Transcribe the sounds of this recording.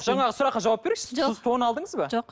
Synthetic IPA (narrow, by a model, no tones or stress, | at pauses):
ʒ̥ɑɴɑʁəsʊɾɑqːɑʒɑwɑp̚beɾeɪʃɪzt̪ʰo̞nɑlˠd̪əɴəzbɑʒo